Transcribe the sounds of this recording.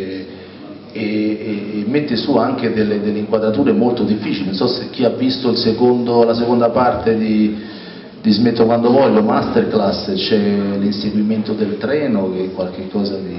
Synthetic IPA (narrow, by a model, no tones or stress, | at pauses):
eː | mːent̪isuaŋk̟ed̪elːed̪elːeiŋkwad̪ɾat̪uːɾeɛmːolt̪od̪ifːiːt͡ʃilenonsɔsek̟ːiavːist̪oilsekond̪olasekond̪apart̪ed̪i | d̪̥izmet̪ːokwand̪ovɔʎːomast̪erklasːt͡ʃɛlinseɡwiment̪od̪elt̪ɾɛːnok̟ekːwalk̟ekʰːɔːzad̪i